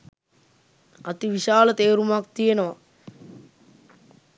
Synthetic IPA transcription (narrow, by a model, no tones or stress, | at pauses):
at̪iʋiʃaːlət̪eːɾumak̚t̪ijenəʋa